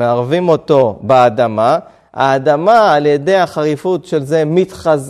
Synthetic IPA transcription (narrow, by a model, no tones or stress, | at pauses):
eaʁvimo̞to̞beadama | a̰ːdamaːlje̞de̞jaχaʁifutʃe̞lze̞mitχaz